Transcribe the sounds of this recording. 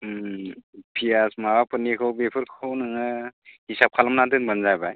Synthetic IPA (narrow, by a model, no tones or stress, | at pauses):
pʰijasmawapʰɯnikʰɯwbepʰɯɾkʰownɯŋɯhisap̚kʰalamnadɯnbənzajbaj